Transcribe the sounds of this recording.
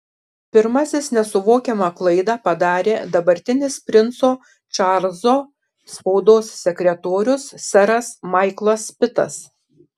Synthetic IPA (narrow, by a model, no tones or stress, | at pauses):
pʲɪɾmɐsʲɪsnʲɛsʊʋoːkʲɛmɑːklˠɐɪd̪ɑːpɐd̪ɑːɾʲeːd̪ɐbɐɾʲt̪ʲɪnʲɪspʲɾʲɪnt̪soː | t͡ʃɑɾzoː | spɐʊd̪oːssʲɛkʲɾʲɛt̪oːɾʲʊsːʲɛɾɐsmɑˑɪklˠɐspʲɪt̪ɐ̰s